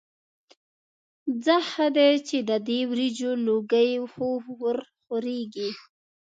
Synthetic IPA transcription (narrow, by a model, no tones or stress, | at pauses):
d͡zəhad̪et͡ʃed̪əd̪ewɾid͡ʒoloɡəjxowəɾxoɾeɡi